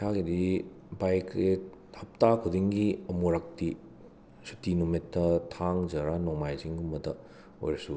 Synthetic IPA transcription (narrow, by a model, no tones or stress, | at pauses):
kʰaɡidi | bajkɾehɐp̚takʰudiŋɡiɐmuɾak̚ti | sutinumitːɐtʰaŋd͡ʒɐɾanɔŋmajziŋhumbɐdɐ | o̰jɾɐsu